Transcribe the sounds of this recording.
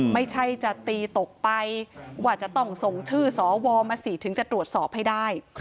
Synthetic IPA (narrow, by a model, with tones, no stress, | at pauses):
ma˥˩jt͡ɕʰa˥˩jt͡ɕa˨˩t̪iː˧t̪o˨˩k̚pa˧jwaː˧˩t͡ɕa˨˩t̪ɔ˥˩ŋso˨˩ŋt͡ɕʰɯː˥˩sɔː˩˦wɔː˧maː˧siː˨˩t̪ʰɯ˨˩˦ŋt͡ɕa˨˩t̪ɾu˨˩ət̪̚sɔː˨˩p̚ha˥˩jdaː˥˩j